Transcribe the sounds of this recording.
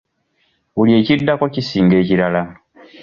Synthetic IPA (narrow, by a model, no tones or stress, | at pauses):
βulie̞ːcidːako̞cisiːŋɡe̞ːciɾala